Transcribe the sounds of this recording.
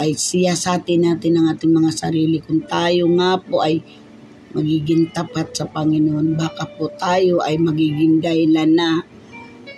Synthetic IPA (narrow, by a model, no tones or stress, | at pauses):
ʔɐjsɪjasaːt̪ɪnaːt̪ɪnɐŋʔaːt̪ɪŋmɐŋasɐɾiːlɪkʊnt̪aːjoŋapoʔɐj | mɐɡiːɡɪŋt̪ɐpat̪̚sɐpɐŋɪnoʔonbaːkapot̪aːjoʔɐjmɐɡiːɡɪŋd̪ɐhɪlana